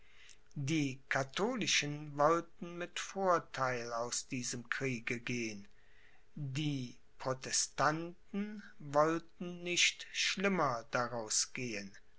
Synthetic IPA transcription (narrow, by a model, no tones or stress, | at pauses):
diːkʰatʰoːlɪʃənvɔltn̩mɪtfoːɐtʰaɪlaʊsd̥iːzəmkʁ̥iːɡəɡeːən | diː | pʁ̥otɛstantn̩vɔltn̩nɪçtʃlɪmɐd̥aʁaʊsɡ̥eːən